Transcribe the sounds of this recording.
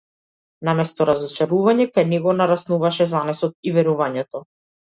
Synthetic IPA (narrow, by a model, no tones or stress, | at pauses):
namɛst̪ɔɾazɔt͡ʃaɾuvaɲɛkajnɛɡɔnaɾasnuvaʃɛzanɛsɔt̪̚ivɛɾuvaɲɛt̪ɔ